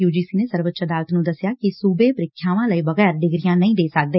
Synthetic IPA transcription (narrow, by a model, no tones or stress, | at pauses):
juːd͡ʒiːsiːneːsəɾʋət̪ːt͡ʃəd̪aːɾət̪nũːd̪əsjaːkɪsuːbeːpɾɪkʰːjaːʋãːləiːbəɣɛːɾɖɪɡɾɪjãːnəĩːd̪eːsək̚d̪eː